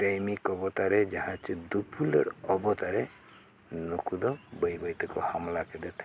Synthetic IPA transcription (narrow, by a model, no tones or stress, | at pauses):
ʈajmikɔbɔt̪aɾed͡ʒaɦãt͡ʃid̪upʰulḛɾɔbɔt̪aɾe | nukud̪ɔbəjbəjt̪ɔkɔhamlaked̪ɛt̪ʰẽ̥